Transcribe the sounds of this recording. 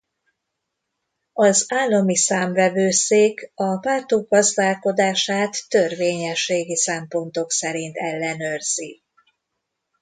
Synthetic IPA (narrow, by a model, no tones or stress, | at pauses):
ɒzaːlːɒmisaːmvɛvøːseːkɒpaːt̪oɡ̚ɡɒzd̪aːlko̞d̪aːʃaːt̪ːørveːɲɛʃːeːɡisɛmpo̞nt̪o̞ksɛɾint̪ɛlːɛnø̞rz̥i